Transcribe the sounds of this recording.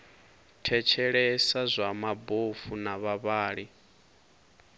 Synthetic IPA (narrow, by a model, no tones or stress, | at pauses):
tʰɛt͡ʃʰɛɺɛsazʷamabofunaβaβaːɺi